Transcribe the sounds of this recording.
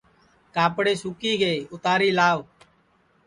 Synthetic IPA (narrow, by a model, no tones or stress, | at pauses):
kaːpɽeːsuːkiːɡeːʊt̪aːɾiːlaːʋ